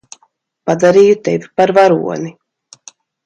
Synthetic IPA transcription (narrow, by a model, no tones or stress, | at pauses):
pad̪aɾiːjut̪evipaɾvaɾṵɔni